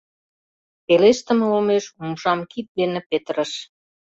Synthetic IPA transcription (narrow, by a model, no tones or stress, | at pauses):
peleʃt̪ə̆mulmeʃumʒɑmkit̪̚d̪enepet̪əɾə̆ʃ